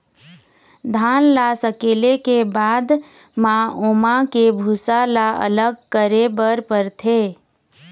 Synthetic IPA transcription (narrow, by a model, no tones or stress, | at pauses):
d̪ʱaːnlasəkeːlekebaːd̪ | mãoːmakebʱusalaə̰ləɡ̚kəɾebəɾpəɾt̪ʰeː